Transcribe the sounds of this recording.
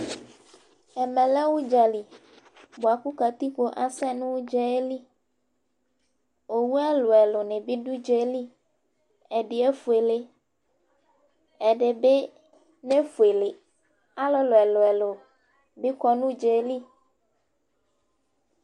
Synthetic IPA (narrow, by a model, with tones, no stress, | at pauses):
e˨mɛ̃˨la˦wu˦d͡ʒa˨li˨ | bo˨a˨ku˦ka˨t̪i˦k͡po˦ʔa˦sɛ˦nũ˦d͡ʒɛ˦e˦li˦ | o˨wu˦a˦lo˨ɛ˨lo˨nẽ˨bi˦ɖu˦d͡ʒe˦li˦ | e˨ɖi˨e˦fu˨e˨le˦ | ɛ˨ɖe˨be˦ | ne˦fu˨e˨le˨ | a˦lo˦lo˨ɛ˨lo˨ɛ˨lo˨ | bi˦kɔ˦nũ˦d͡ʒe˨˦li˦